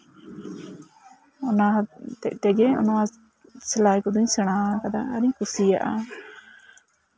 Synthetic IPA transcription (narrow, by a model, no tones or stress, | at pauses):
ɔnat̪ɛc̚ˀt̪ɛɡɛɔ̰nɔwa | sɛlajkɔd̪ɔɲsɛɽ̃aakad̪aːɾiɲkusija̰ʔa